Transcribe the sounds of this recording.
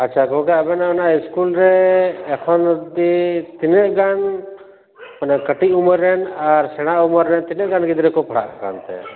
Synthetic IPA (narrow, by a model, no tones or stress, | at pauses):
ətːʃʰakɔɦɔ̃kɛəbɛnanaiskulɾɛːkʰɔnd̪it̪inɛʔɡan | panakəʈiʔuməɾːɛnaɾsɛɽ̃aʔuməɾːɛnt̪inɛʔɡanɡid̪ɾɛkɔpʰəɽ̤a̰ʔkʰaka̰nt̪ɛ̰